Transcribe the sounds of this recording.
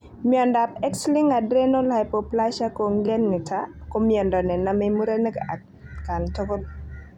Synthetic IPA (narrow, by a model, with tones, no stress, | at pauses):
mjɔ˨nda˨pɛ˦kslɪ˦ŋa˨dɾe˦no˦lha˨jpo˨pla˦ʃa˦ko˨ŋɡe˦nŋɪ˨tʰa˦ko˦mjɔ˨ndɔ˨nɛ˨na˨me˦mu˦ɾe˦ne˦ka˨ | ka˨nto˦ko˦l